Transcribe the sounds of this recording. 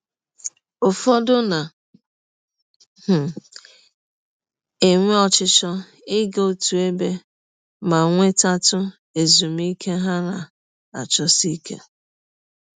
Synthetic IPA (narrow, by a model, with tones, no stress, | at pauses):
ʊ˨fɔ˦dʊ˦na˨ | h̩˨ | e˨ŋʷe˦ɔ˨t͡ʃɪ˦t͡ʃɔ˦ | ɪ˦ɡo˦˨tu˨e˦be˦ | ma˨ŋʷe˦ta˦tʊ˦ | e˨zu˨m˦i˦kʰe˦ɦa˦na˨ | a˨t͡ʃɔ˦si˦kḛ˦